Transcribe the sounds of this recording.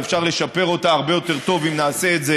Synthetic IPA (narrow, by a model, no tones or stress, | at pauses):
efʃaʁle̞ʃape̞ʁo̞taːʁbe̞jo̞t̪e̞ʁt̪o̞vimnaːse̞ːtze